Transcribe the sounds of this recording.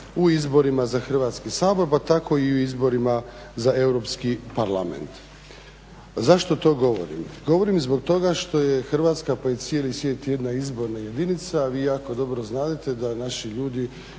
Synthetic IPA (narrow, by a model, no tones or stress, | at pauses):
uizbo̞ɾimazaxr̩ʋaːt̪skisaːbo̞ɾpat̪ako̞iuizbo̞ɾima | zaewɾo̞pskipaɾla̰mḛnt̪ | zaʃt̪o̞t̪o̞ːɡo̞ʋo̰ɾḭmɡo̞ʋo̞ɾimzbo̞ɡ̚t̪o̞ɡaʃt̪o̞jexr̩ʋat̪skapajet̪sijeːlisʋje̞ːt̪je̞d̪naizbo̞ɾnaje̞d̪init̪saːʋiːjaːko̞d̪o̞bɾoznaːd̪et̪e̞d̪anaʃiʎuːd̪i